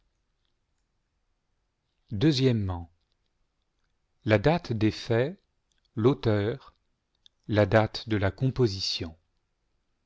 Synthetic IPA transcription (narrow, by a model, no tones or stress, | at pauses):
d̪øzjɛmːɑ̃ | lad̪at̪d̪efɛ | lot̪œːʁ | lad̪at̪d̪əlakɔ̃pozisjɔ̃